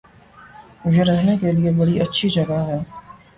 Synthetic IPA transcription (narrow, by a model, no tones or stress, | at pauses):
mʊd͡ʒʱeɾɛɦnekeliebɐɽiʔɐtːʃʰid͡ʒɐɡaɦɛː